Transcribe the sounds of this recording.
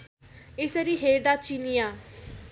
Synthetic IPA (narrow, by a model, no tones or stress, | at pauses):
ɪsəɾiɦeːɾd̪at͡ʃinijaː